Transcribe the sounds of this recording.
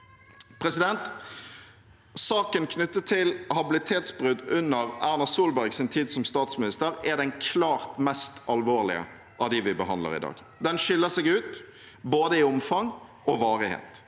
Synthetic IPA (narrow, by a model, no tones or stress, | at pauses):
pʰʁɛsɪd̪ɛnt̪ | sɑːkənkʰnʉt̪ːət̪ʰɪlhɑbɪlɪt̪ʰeːt̪sbʁʉd̪ʉnːəʁæʁnɑsuːlbæɾɡsɪnt̪ʰiːd̪sɔmst̪ɑːt̪smɪnɪst̪əʁɛd̪ɛnkʰlɑːʁt̪mɛst̪ɑlʋoːʁlɪ̰ə̰ | ʔɑʋd̪ɪʋɪbəɦɑnd̪lə̰ʁɪ̰d̪ɑ̰ːɡ | d̪ɛnʃɪlːəsɛɡʉːt̪ | boːd̪əɪʊmfɑŋ | ɔʋɑːʁɪhḛːt̪